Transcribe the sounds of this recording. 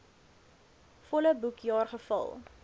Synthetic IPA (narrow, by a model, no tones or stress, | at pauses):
fɔləbukjɑːrχəfɐ̰lˠ